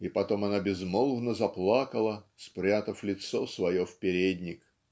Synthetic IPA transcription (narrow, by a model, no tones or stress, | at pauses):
ipɐt̪o̞mɐnabʲɪzmolˠvnəzɐplˠakəlˠəspɾʲat̪əflʲɪt̪so̞svɐjo̞fpʲɪɾʲedʲnʲɪk